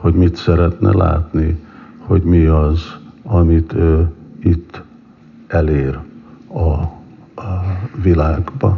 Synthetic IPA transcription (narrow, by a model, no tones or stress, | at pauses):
ho̞ɟmit̪sɛɾɛt̪nɛ̰la̰ːt̪niho̞ɟmiɒzɒmit̪øːit̪ː | ɛleːrɒ | vilaːɡbɒ